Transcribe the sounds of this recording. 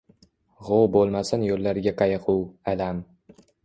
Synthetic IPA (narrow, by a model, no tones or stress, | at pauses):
ʁowbolˠmasɪnjolːaɾɡʲaqʰɑjɨqʰuwalam